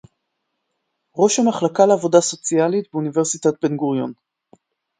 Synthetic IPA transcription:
ʁo̞ʃhamaχlakaleavo̞daso̞t͡sialitbeuniveʁsitat̚be̞nɡuʁjon

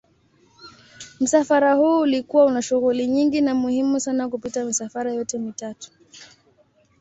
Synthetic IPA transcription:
m̩safaɾahuːlikuwaunaʃuɣuliɲiŋɡinamuhimusanakupitamisafaɾajɔtɛmitatu̥

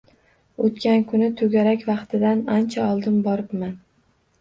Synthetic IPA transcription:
ot̪kʲankʰʊnɪt̪ʰɵɡʲaɾakʲvɑqt̪ʰɪd̪anant͡ʃʰaɒlˠd̪ɪmbɒɾɪpman

